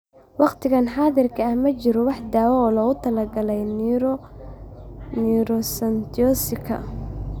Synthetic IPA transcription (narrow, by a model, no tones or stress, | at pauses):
wɑqt̪ʰɪɣɐnħɑːðɪrkʰɐːhmɐt͡ʃɪɾɔwɑħd̪aːwɔɔːlɔːɣʊt̪ʰɐlɐɡɐlɛj | niɾɔsɐnt̪ɔsɪkʰɐ̰